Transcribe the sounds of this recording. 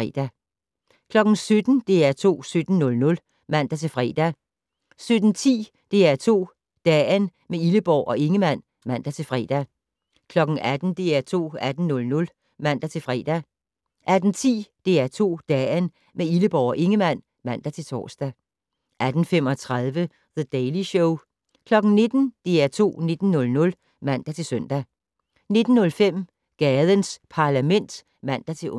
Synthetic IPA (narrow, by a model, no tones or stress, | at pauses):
ɛ̰d̥æ | kʰlɒ̽ɡ̥n̩sød̥n̩d̥e̝æɐt͡sʰo̝̰ːsød̥n̩nɔ̽lnɔ̽l | mæn̰d̥ɑ̈t͡sʰe̝lfʁɛ̰ːd̥æ | sød̥n̩t͡sʰḭː | d̥e̝æɐt͡sʰo̝̰ː | d̥ɛn | meiləb̥ɒʊ̰ʔɒ̽ʔe̝ŋəmn̰ | mæn̰d̥ɑ̈t͡sʰe̝lfʁɛ̰ːd̥æ | kʰlɒ̽ɡ̥n̩æd̥n̩d̥e̝æɐt͡sʰo̝̰ːæd̥n̩ːɔ̽lnɔ̽l | mæn̰d̥ɑ̈t͡sʰe̝lfʁɛ̰ːd̥æ | ʔæd̥n̩t͡sʰḭːd̥e̝æɐt͡sʰo̝̰ːd̥ɛn | meiləb̥ɒʊɒʔe̝ŋəmæn̰ | mæn̰d̥æt͡sʰe̝lt͡sʰɒ̰ːsd̥ɛ | ʔæd̥n̩fem̰ɒt͡sʰʁað̞ˠʋə | ðəd̥eɪliɕɔʊ | kʰlɒ̽ɡ̥n̩ne̝d̥n̩d̥e̝æɐt͡sʰo̝̰ːne̝d̥n̩ːɔ̽lnɔ̽l | mæn̰d̥æt͡sʰe̝lsœn̰d̥æ | ne̝d̥n̩ːɔ̽lfem̰ | ɡ̥ɛːðˠənspʰɑ̈læmen̰d̥ | mæn̰d̥æt͡sʰe̝